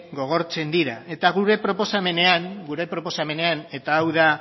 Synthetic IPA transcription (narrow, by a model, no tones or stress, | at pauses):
ɡo̞ɣ̞o̞ɾt͡se̞nd̪iɾae̞t̪aɣuɾe̞pɾo̞po̞same̞ne̞aŋɡuɾe̞pɾo̞po̞same̞ne̞ane̞t̪aːwða